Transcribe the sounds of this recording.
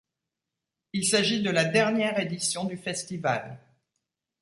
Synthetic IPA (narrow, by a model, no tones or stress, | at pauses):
ilsaʒid̪əlad̪ɛʁnjɛʁed̪isjɔ̃d̪yfɛst̪iva̰l